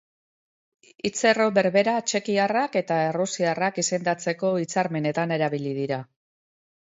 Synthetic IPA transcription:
it͡se̞ro̞βe̞ɾβe̞ɾat͡ʃe̞kiarake̞t̪ae̞rusiarakise̞nd̪at͡se̞ko̞it͡saɾme̞ne̞t̪ane̞ɾaβ̞ilið̞iɾa

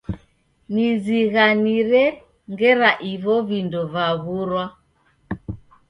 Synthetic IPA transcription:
niziɣaniɾɛ | ŋɡɛɾaʔiβɔβindɔβaɣuɾwa

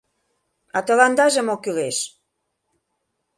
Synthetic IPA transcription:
ɑt̪ɤ̆lɑnd̪ɑʒĕmokyleʃ

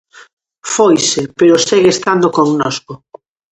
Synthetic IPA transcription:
fojsɪpeɾoseɣest̪and̪okoŋnɔsko

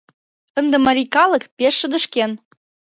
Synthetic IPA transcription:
ə̆nd̪ĕmɑɾʲikɑlˠɤ̆kpeʃːə̆d̪ə̆ʃken

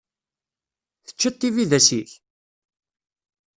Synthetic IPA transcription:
θə̥t͡ʃːət̪ˤːiviðæsiç

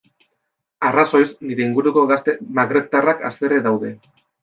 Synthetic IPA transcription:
araso̞jsniɾe̞iŋɡuɾuko̞ɣast̪e̞maɣɾe̞t̪araka̰seɾe̞ðawðe̞

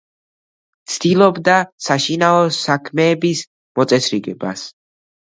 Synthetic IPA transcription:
t̪sʰd̪ilˠɔbd̪asaʃinaɔsakʰmɛːbis | mɔt̪sʼɛsʰɾiɡɛba̰s

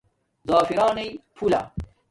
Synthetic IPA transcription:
zaːfiɾaːnejpʰula̰

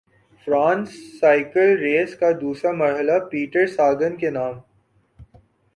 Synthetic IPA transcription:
fɾãːnsːaːɪkəlɾeːskad̪uːsɾamɐɾɦəlapiːʈəɾsaːɡənkenaːm

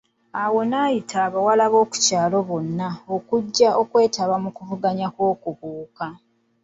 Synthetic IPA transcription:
awo̞naːjitʰaːβawalaβo̞ːku̥caːlo̞βo̞nːao̞kuɟːaʔo̞kwe̞ːtaβamukuvuɡaɲakwo̞ːkuβuːka

